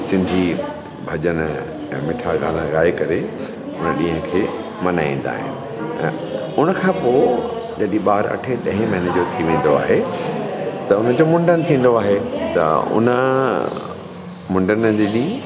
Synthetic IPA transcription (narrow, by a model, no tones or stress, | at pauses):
sɪ̃nd̪ʱi | bʱɐd͡ʑən | ɛ̰̃ːmɪʈʰaɡaːnãɣaːekɐɾe | ʊnəɗĩːɦə̃kʰeː | mɐnaḭ̃ːn̆d̪a̰ːɦɪ̰nɪ̆ | ɛ̰̃ː | ʊnə̆kʰãːpoː | d͡ʑɐɗĩɓaːɾɐ̰ʈʰeɗ̪ɐ̃ɦɪ̃mɛned͡ʑot̪ʰiʋẽːn̆d̪oa̰ːɦe | t̪ɐʊnə̆d͡ʑoːmʊ̃ɳɖənɪ̆t̪ʰĩːn̆d̪oaːɦet̪ɐ̰ʊ̰nə | mʊ̃ɳɖənd͡ʑeɗĩː